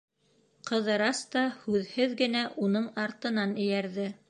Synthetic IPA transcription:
qɤ̆ðɤ̆ɾɑst̪ɑhʉðhɘðɡɘ̆næʔunɤɴɑɾt̪ɤ̆nɑnɘ̆jæɾðɘ

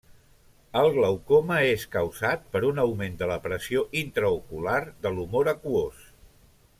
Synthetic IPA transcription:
əlˠləwkoməeskəwzat̪̚pəɾunəwmend̪ələpɾəsioʔint̪ɾəukulard̪əlumoɾəkuos

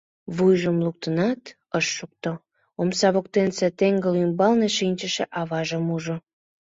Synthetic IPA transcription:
βujʒəmluk̚t̪ənɑt̪ | əʃːuk̚t̪o | omsɑβok̚t̪enset̪eŋɡəlymbɑlneʃinʲt͡ɕəʃeʔɑβɑʒəmuʒo

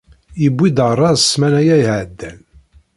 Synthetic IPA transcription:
jəbʷːid̪ərˤːɑðəsmænæjæjʕəd̪ːæn

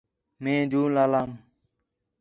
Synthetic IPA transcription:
mẽːd͡ʒuːlaːlaːm

